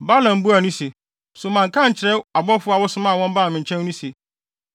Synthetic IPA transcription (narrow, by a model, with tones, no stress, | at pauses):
ba˦lã˨m˦bu˦a˨nʊ̃˦se˨ | sʊ˨mã˨ŋkʰã˦ɲ̩˨t͡ɕʰɪ˨ɾɛ˦a˨bɔ˦fʊ˦a˨wɔ˦sʊ˦mã˦˨wɔ̃˦m˦ba˦˨mɪ̃˨ɲ˨t͡ɕʰɛ̃˦n˦nũ˦se˨